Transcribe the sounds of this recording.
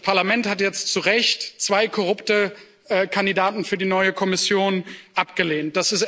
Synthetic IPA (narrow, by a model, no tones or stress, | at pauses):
pʰaɐlamɛnthatjɛt͡stt͡suʁɛçtt͡sv̥aɪkʰɔʁ̞ʊptə | ʔkʰandidaːtn̩fyːɐdinɔʏəkʰɔmɪsjoːnʔapɡ̥əleːnt̚d̥asɪs